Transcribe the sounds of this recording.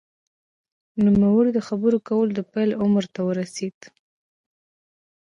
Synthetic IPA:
numawəɽid̪əxabəɾokawəlod̪əpajlʊməɾt̪awəɾased̪̥

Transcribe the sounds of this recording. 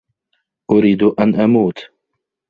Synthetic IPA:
ʔʊɾiːd̪ʔanʔamuːt̪

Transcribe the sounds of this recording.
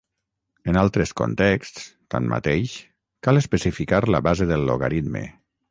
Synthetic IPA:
enalˠt̪ɾesko̰nt̪ɛkst̪st̪a̰nmʔa̰t̪ejʃ | kalespəsifikaɾləβazeðəlːo̰ɣa̰ɾid̪mḛ

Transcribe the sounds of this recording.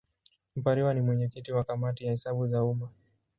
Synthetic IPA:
m̩paɾiwanimwɛɲɛkitiwakamatijahɛsaɓuzauma

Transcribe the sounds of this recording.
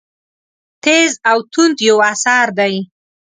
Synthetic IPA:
t̪ezawt̪und̪jawasɑɾd̪aj

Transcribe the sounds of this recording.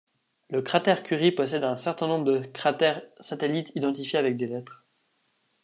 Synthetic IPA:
ləkχat̪ɛʁkʲyʁipɔsɛd̪ɛ̃sɛʁt̪ɛ̃nɔ̃bʁəd̪əkχat̪ɛʁsat̪elit̪ʰid̪ɑ̃t̪ifjeavɛk̚d̪elɛt̪χ

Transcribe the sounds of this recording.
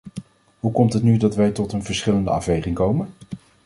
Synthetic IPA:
ɦukɔmtɦətnydɑtʋɛjtɔtənvəɹsχɪləndə̰ɑfʋejχɪŋkowmən

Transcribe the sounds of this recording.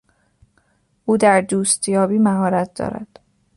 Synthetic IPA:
ʔuːd̪æɾd̪uːst̪jɒːbiːmæɦɒːɾæt̪̚ʰd̪ɒ̰ːɾæ̰d̪̥

